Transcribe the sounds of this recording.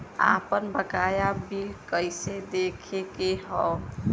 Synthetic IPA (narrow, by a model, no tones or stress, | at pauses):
a̰pənbəkajabilkəjsed̪ekʰekeɦɔ